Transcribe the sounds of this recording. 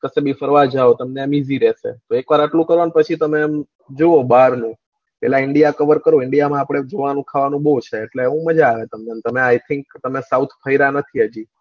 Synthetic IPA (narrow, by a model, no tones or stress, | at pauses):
kəsebifəɾʋad͡ʒaot̪əmnemiziɾɛʃḛt̪oekʋaɾaʈlũkəɾʋanpət͡ʃʰit̪əmem | d͡ʒoobaɾnũ | pɛ̰laɪɳɖijakəʋəɾkəɾoɪɳɖijamãapɽ̃ed͡ʒoʋanũkʰaʋanũbot͡ʃʰeːʈleːʋũməd͡ʒaːʋet̪əmnent̪əmeajt̪ʰɪŋkt̪əmesaut̪ʰpʰəiɾanət̪ʰiɦəd͡ʒi